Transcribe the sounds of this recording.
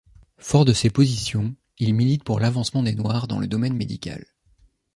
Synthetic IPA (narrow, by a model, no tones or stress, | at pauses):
fɔʁd̪əsepozisjɔ̃ | ilmilit̪puʁlavɑ̃smɑ̃d̪enwaʁd̪ɑ̰̃ləd̪ɔmɛnmed̪ikʲa̰l